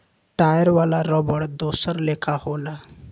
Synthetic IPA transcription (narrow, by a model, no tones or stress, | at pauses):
ʈajəɾʋalaɾɔbəɽd̪osəɾlekʰahola